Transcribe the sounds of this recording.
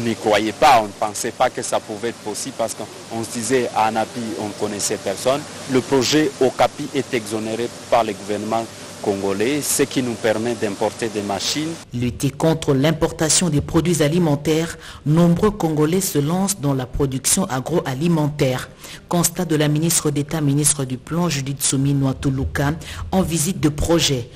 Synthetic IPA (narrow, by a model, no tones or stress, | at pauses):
ɔ̃nikχwajɛpaɔ̃nəpɑ̃sɛpakəsapuvɛɛt̪χpɔsiblpaʁsə̥kə | ɔ̃sd̪izɛa̰ːnapiɔ̃nkɔnɛsɛpɛʁsɔn | ləpʁoʒɛokapiʔɛt̪ɛɡzɔneʁe | paʁləɡuvɛʁnəmɑ̃ | kɔ̃ŋɡolɛsəkinupɛʁmɛd̪ɛ̃pɔʁt̪ed̪emaʃinlyt̪ekɔ̃t̪χəlɛ̃pɔʁt̪asjɔ̃d̪epχod̪ɥizalimɑ̃t̪ɛʁ | nɔ̃bʁøkɔ̃ŋɡolɛsəlɑ̃sd̪ɑ̃lapχod̪yksjɔ̃ʔaɡʁoʔalimɑ̃t̪ɛːʁ | kɔ̃st̪ad̪əlaminist̪χəd̪et̪aminist̪χəd̪yplɑ̃ʒyd̪it̪suminwat̪ulukaɑ̃vizit̪̚d̪əpχɔʒɛ